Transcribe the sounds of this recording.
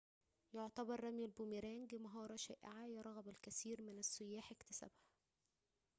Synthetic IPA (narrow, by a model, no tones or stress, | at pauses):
joʕt̪æbɑɾˤːæmjælbomiɾæːŋɡmɑɦɑːɾˤɑʃæ̰ːʔɪ̰ʕajɑɾˤɑɣæbælkæsiːɾmɪnæsːʊjːaːħɪkt̪æ̥sæ̰bhæ